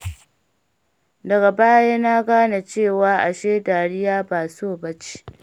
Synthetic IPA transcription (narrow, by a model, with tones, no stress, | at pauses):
dɐ˨ɡa˨baː˦jaː˦na˦ɡaː˦na˨t͡ʃeː˦˨waː˦ʔa̰˨ʃeː˦taː˨ɽɪ˦jaː˦baː˨soː˦˨bɐ˦t͡ʃi̥˦